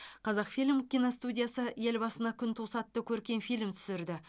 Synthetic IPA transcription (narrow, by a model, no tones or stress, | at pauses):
qʰɑzɑqfilʲmkʲijnost̪udʲijasəje̞lbɑsənɑkʲʰʏnt̪ʰusɑt̪ːəkʲʰɵɾkʲe̞nfijlmt̪ʰʏ̥sɪɾd̪ɪ